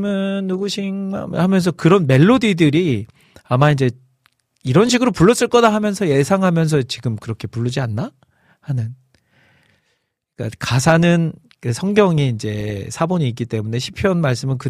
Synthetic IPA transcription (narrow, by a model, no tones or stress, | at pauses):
mɯnːuɡuɕʰiŋmahamjʌns̬ʰʌkɯɾʌnme̞ɭːodidɯɾi | amaind͡ʑe̞ | iɾʌnɕʰiɡɯɾopuɭːʌs͈ɯɭk͈ʌdaɦamjʌnsʰʌje̞sʰaŋɦamjʌnsʰʌt͡ɕiɡɯmkɯɾʌkʰe̞puɭːud͡ʑianːa | hanɯn | k͈a̰kasʰanɯn | kɯsʰʌŋɡjʌŋiːnd͡ʑe̞sʰaboɲiːk͈ːit͈e̞mune̞ɕʰipʰjʌnmaɭs͈ɯmɯnkɯ